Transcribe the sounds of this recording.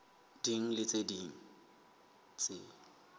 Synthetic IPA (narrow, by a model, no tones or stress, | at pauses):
diŋ̩lɪt͡sʼediŋ̩ | t͡sʼɪ